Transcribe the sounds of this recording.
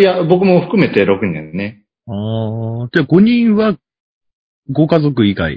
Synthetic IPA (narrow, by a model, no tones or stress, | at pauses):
jabo̞kɯ̟mo̞ɸɯ̟̥kɯ̟me̞t̪e̞ɾo̞kɯ̟ɲḛ̃nːe | aːt̪eɡo̞ɲ̟ĩɰ̃βa | ɡo̞kazo̞k̬ɯ̟iɡa̰ḭ